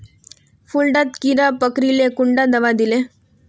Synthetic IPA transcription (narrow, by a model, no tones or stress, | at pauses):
fulɖat̪kiɾapəkɾilekʊɳɖad̪ɐʋad̪ile